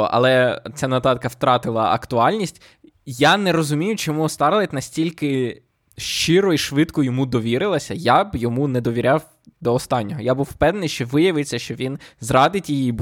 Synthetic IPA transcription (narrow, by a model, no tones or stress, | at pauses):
ʔɐ̰lˠɛt͡sʲanɐt̪ɑt̪kɐwt̪ɾɑt̪ɪlˠɐʔɐ̰kt̪ʊɑlʲnʲisʲtʲ | janɛɾɔzʊmʲijʊt͡ʃɔmuɔst̪ɑɾlˠɐtʲnɐsʲtʲilʲkɪ | ʃt͡ʃɪɾɔiʃʋɪt̪kʊjɔmud̪ɔʋʲiɾɪlˠɐsʲɐjabjɔmunɛd̪ɔʋʲiɾʲaw | d̪ɔːst̪ɑnʲːɔɦɔjabuwpɛd̪nɪjʃt͡ʃɔʋɪjɐʋɪsʲɐʃt͡ʃɔʋʲinzrɑd̪ɪtʲijib